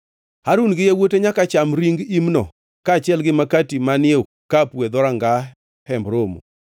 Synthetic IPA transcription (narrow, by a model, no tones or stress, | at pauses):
haɾunɡɪjawoteɲakat͡ʃamɾiŋɡimnɔ̰ | kat͡ʃɪɛlɡɪmakatimanɪo | kːapwed̪ɔɾaŋɡa | hɛmbɾomṵ